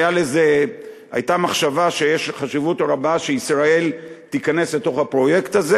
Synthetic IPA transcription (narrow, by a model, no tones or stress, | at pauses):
jaleze̞ | a̰jt̪amaχʃavaʃejeʃχaʃivutʁabaʃeisʁae̞lt̪ikane̞sle̞t̪o̞χhapʁo̞je̞kt̪aze